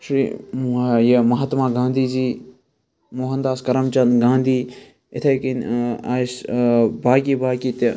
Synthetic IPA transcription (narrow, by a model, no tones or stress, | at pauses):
ʃɾḭːmajɐmɐɦɐt̪maːɡãːnd̪iːd͡ʒiː | moːɦɐnd̪aːskɐɾɐmt͡ʃɐnɡãːnd̪ʱiː | ɪt̪ʰɐkinasbaːk̬ibaːkit̪